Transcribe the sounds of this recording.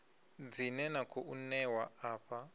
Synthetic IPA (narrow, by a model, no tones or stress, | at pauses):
d͡zinɛnakʰoʔunɛwaaːɸa